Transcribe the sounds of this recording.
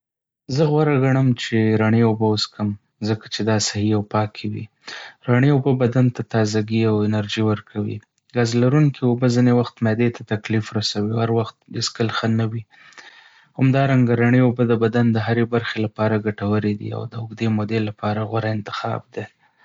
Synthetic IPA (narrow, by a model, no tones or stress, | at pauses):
zəɣwaɾaɡaɳəmt͡ʃeɾaɳeobaʊskʰəm | zəkḁt͡ʃed̪ɑsahiawpɑkʰewḭ | ɾaɳeobəbad̪ant̪at̪ɑzaɡiawɪnaɾʒiwəɾkʰawḭ | ɡɑzlaɾuŋkiobəzinewaxt̪mad̪et̪ʰat̪aklifɾasawihaɾwaxt̪̚eskəlxanawi | hamd̪ɑɾaŋɡaɾaɳeobəd̪əbad̪and̪əɦaɾebaɾxelapɑɾaɡaʈawəɾed̪ḭa̰wd̪əʊɡd̪emod̪elːapɑɾaɣwaɾaɪnt̪ɪ̥xɑ̰bd̪e